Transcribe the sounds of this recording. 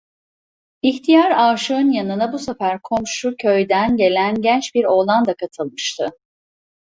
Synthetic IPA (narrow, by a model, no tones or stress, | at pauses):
içt̪ʰijaɾaːʃɯɯnjanɯnabusefæɾkʰo̞mʃucʰø̞jd̪ænɟe̞lʲænɟɛnt͡ʃbiɾo̞lˠand̪akʰat̪ʰɯlˠmɯʃt̪ʰɯ